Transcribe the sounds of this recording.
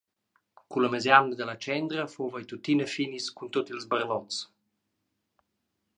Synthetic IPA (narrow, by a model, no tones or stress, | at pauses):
kuləməzjanəd̪ələt͡ʃɛnd̪ɾəfovəjt̪ut̪inəfiniskunt̪ot̪ilzbərlɔt͡s